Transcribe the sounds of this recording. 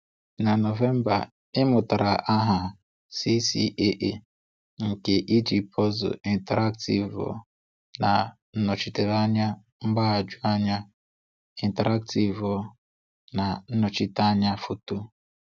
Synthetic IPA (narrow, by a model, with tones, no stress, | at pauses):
na˨no˨ve˦m̩˦ba̰˨ | ɪ˦mʊ˨ta˨ɾa˨ʔa˦ɦa˨ | si˦si˦ʔe˦ʔe˨ | ŋ̩˨ke˨ʔi˦d͡ʒi˨pɔ˦zʊ̰˨i˨n˨te˨ɾa˦k̚ti˨vɔ̰˨ | na˨ | n̩˦nɔ˨t͡ʃi˨te˨ɾa˦ɲa˦ | m̩˦ɡ͡ba˦a˨d͡ʒu˦a˦ɲa˦ | i˨nte˨ɾa˦k̚ti˨vɔ˦ | na˨n̩˦nɔ˨t͡ʃi˦ta˦ɲa˦fu˨tu˦